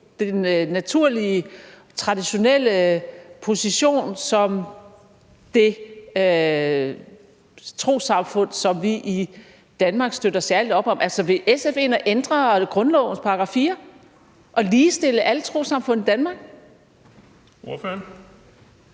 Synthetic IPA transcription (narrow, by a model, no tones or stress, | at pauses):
d̥enːæt͡sʰuɐ̰liə | t͡sʰʁɑ̈d̥iɕo̝nel̰əpʰo̝siɕo̝̰ːnsɒ̽m | d̥e̝ø | t͡sʰʁo̝̰ːsɑ̈mfɔ̽n̰sɒ̽mʋiʔi | d̥ænmɑ̈ɡ̥sd̥øɾɐsæɐlid̥ɒ̽b̥ɒ̽mʔælsɒʋe̝ʔesefe̝ːnɐʔend̥ʁɐɡ̥ʁɔ̽nlɒʊn̩spʰɑ̈ɡ̥ʁɑ̈fḭːɐ | ʔɒ̽liːsd̥e̝ləʔælət͡sʰʁo̝̰ːsɑ̈mfɔ̽n̰̩ˠid̥ænmɑ̈ɡ̥ | oføn